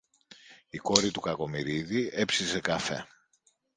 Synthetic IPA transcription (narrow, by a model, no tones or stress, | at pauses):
iko̞ɾit̪ukɐko̞miɾiðie̞psise̞kɐfe̞̰